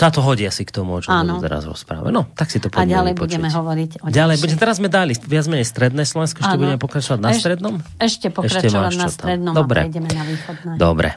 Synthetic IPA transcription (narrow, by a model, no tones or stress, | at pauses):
sat̪ɔɦɔɟiasikt̪ɔmuɔt͡ʃɔant̪ɛ̰ɾa̰zɾɔ̰spɾa̰ʋa̰nɔt̪aksit̪ɔpɔmalɛjbɔuɟɛmɛɦɔʋɔɾicɔɟalɛjbuɟɛɛt̪ɛɾazmɛd̪aliʋɪad͡zmɛɲɛjst̪ɾɛd̪nɛːslɔʋɛnskɔɛʃcɛbuɟɛmɛpɔkɾat͡ʃɔʋaɟnast̪ɾɛd̪nɔmɛʃcɛpɔɛʃɾacɛmaaʃnaɔst̪aɾɛd̪nɔmd̪ɔbɾɛ̰ɟɛmɛnaʋiːxɔd̪ɛd̪ɔ̰bɾɛ̰